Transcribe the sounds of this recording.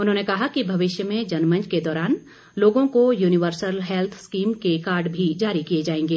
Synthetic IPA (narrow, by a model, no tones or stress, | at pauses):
ʊnɦõːnekɐɦakibʱɐʋɪʃjəmẽd͡ʒɐnmɐ̃nd͡ʒked̪ɔːɾaːn | loːɡõkojuːnɪʋəɾsəlɦɛlt̪ʰskiːmkekaːɾɖbʱid͡ʒaːɾikijed͡ʒaːẽːŋɡeː